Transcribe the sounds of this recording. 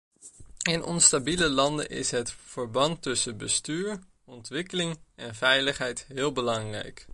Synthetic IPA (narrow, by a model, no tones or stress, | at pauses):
ɪnʔɔ̰nstabiləlɑndə̰ʔɪ̰sɦətfəɹbɑntɵsəbəstyːɹ | ɔntʋɪkəlɪŋʔɛnvɛjləχɦɛjtɦɪːlˠbəlɑŋrɛ̰jk